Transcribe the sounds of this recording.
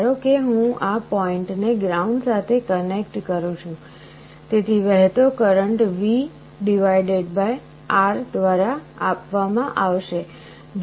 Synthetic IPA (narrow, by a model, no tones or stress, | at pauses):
ɾokeɦũapɔɪɳʈneɡɾauɳɖsat̪ʰekənek̚ʈkəɾũt͡ʃʰũ | t̪et̪ʰiʋɛɦt̪okəɾəɳʈʋi | ɖiʋajɖeɖbaj | aɾd̪ʋaɾa | apʋamãʔaʋʃe | ɡ